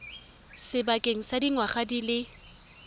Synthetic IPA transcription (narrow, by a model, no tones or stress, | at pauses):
sɪbakʼeŋ̩sadiŋwaχadilɪ